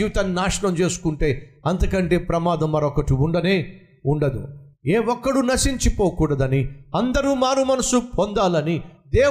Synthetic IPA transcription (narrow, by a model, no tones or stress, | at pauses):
iːʋt̪ɐnnaːʂɐɳɐmt͡ʃe̞ːsu̥kuɳʈe̞ːɐnt̪ɐkɐɳʈe̞ːpɾɐmaːd̪ɐmːɐɾokɐʈiuɳɖɐneː | uɳɖɐd̪ṵeːʋɔkːɐɽunɐsiɲt͡ʃipoːkuːɽɐd̪ɐniɐnd̪ɐɾumaːnumɐnɐsupond̪aːlɐnid̪eː